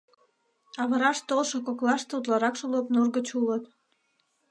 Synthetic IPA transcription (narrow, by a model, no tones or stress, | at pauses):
ɑβəɾɑʃt̪olʃokoklɑʃt̪ut̪̬lɑɾɑkʃulopnurɡət͡ɕulət̪